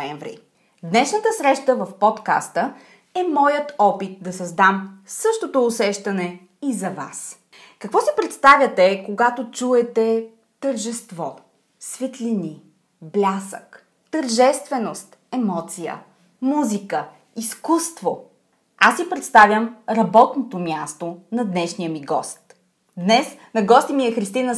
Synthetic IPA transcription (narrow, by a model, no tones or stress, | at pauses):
ɛɱvɾḭ | d̪nɛʃnət̪əsɾɛʃt̪əvɐfpɔt̪ka̰st̪ə | ɛmɔjət̪ɔpit̪̚d̪ɐsɐzd̪amsɤʃt̪ot̪oːsɛʃt̪ɐnɛ | izɐva̰s | kɐkvɔsipɾɛt̪st̪avʲjət̪ɛkoɡat̪ot͡ʃuɛt̪ɛ | t̪əɾʒɛst̪vɔ | svɛt̪lini | blʲasə̰k | t̪ɐɾʒɛst̪vɛnost̪ɛmɔt̪sijə̰ | muzikə | iskust̪vo | asipɾɛt̪st̪avʲjəmɾɐbɔt̪not̪omʲjast̪onɐd̪nɛʃnijəmiɡɔ̰st̪ | d̪nɛsnɐɡɔst̪imiɛxɾist̪inə